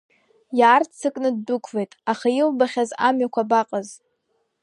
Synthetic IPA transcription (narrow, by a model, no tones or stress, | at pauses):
jaːrt͡sʰɨkʼnɨd̚ːukʷʰvejtʼaχajilbaχʲazamɥakʷʰabaqʼəz